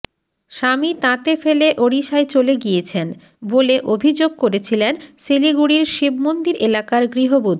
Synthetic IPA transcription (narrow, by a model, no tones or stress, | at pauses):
ʃamit̪ãt̪efeleʔoɽiʃaet͡ɕoleɡijet͡ɕʰen | boleʔobʱid͡ʑoɡ̚koɾet͡ɕʰilensiliɡuɽiɾʃibmond̪iɾelakaɾɡɾiɦobud̪̚ʱ